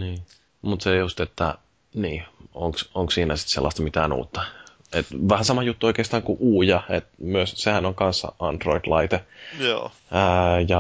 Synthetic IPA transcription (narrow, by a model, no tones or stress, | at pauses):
niː | mut̪sejust̪et̪ːæ | niːoŋksoŋkssiːnæsi̥t̪selːɑst̪ɑmit̪æːnṵːt̪ːɑ | et̪ʋæhænsɑmɑjut̪ːuoikeːst̪ɑːŋkuʔuːjɑet̪myøssehænoŋkɑnsːɑ̰ɑnt̪roid̥̪lɑit̪ejoː | jɑ